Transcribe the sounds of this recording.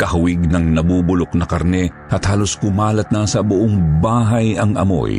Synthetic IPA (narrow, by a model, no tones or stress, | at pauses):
kɐhʊwɪɡ̚nɐŋnɐbuːbʊloknɐkɐɾnɛ | ʔɐt̪haːloskʊmaːlɐt̪̚nɐsɐbʊʔoŋbaːɦɐjɐŋʔɐ̰mo̰j